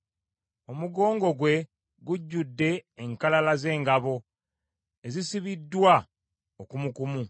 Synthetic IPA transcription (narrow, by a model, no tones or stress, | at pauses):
o̞muɡo̞ːŋɡo̞ɡwe̞ | ɡuɟːudːe̞ːŋkalalaze̞ːŋɡaβo̞ | e̞zisiβidːwa | okumukumu